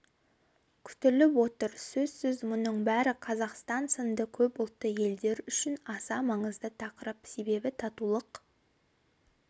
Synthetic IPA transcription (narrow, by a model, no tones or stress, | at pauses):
kʲʰʏ̥t̪ɪlɪpwo̞t̪əɾsɵz̥sʏzmʊnəɴbæɾɪqʰɑzɑqst̪ɑnsənd̪əkʲʰɵpʊlˠt̪ːəje̞ld̪e̞ɾʏʃɪnɑsɑmɑɴəzd̪ət̪ʰɑqəɾəpse̞be̞bɪt̪ʰɑt̪ulˠəq